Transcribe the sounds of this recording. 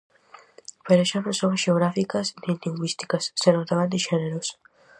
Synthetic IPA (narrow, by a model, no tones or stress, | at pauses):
peɾeʃanõŋsoŋɐʃeoɣɾafikɐsnent̪iŋɡwist̪i̥kɐsːenot̪aβand̪ɪʃeneɾos